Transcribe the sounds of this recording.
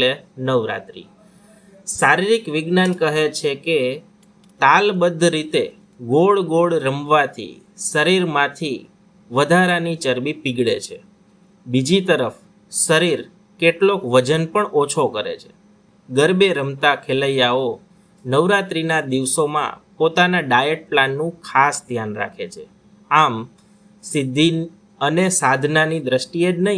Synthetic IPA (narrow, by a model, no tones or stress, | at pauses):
lenəʋɾa̰t̪ɾḭ | saɾiɾikʋɪɡnankəɦet͡ʃʰeke | t̪albəd̪ʱɾit̪e | ɡoɭɡoɭɾəmʋat̪ʰḭ | səɾiɾmãt̪ʰi | ʋəd̪ʱaɾanit͡ʃəɾbipiɡɭḛt͡ʃʰe | bid͡ʒit̪əɾəf | səɾiɾ | keʈlokʋəd͡ʒənpəɳot͡ʃʰokəɾḛt͡ʃʰe̥ | ɡəɾbeɾəmt̪akʰeləjao | nəʋɾat̪ɾinad̪iʋsomã̰pot̪anaɖajeʈ̚planːũkʰasd̪ʱjanɾa̰kʰet͡ʃʰe | am | sɪd̪ʱːi | ənesad̪ʱnanid̪ɾəsʈied͡ʒnəɦĩ